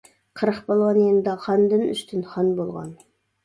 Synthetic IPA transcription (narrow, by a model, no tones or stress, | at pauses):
qʰəɾəqbolˠʁɑnijend̪ɑqʰɑnd̪ɨny̰st̪ʰɪnχɑnbolˠʁɑ̰n